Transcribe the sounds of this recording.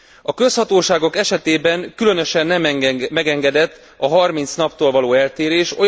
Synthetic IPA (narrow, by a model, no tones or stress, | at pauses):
ɒkø̞shɒt̪oːʃaːɡo̞kɛʃɛt̪eːbɛŋkylø̞nø̞ʃɛnːɛmɛɡɛŋɡɛd̪ɛt̪ː | ɒɦɒrmint̪snɒpt̪oːlvɒloːɛlt̪eːɾeːʃo̞